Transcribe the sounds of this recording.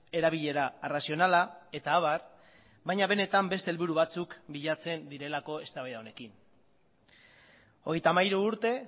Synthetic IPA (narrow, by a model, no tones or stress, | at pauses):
e̞ɾaβiʎe̞ɾarasio̞nalae̞t̪aːβar | bajɲaβe̞ne̞t̪ambe̞st̪e̞lβuɾuβat͡sukbiʎat͡se̞nd̪iɾe̞lako̞e̞st̪aβeðaone̞kin | o̞ɣ̞e̞jt̪amajɾuːɾt̪e̞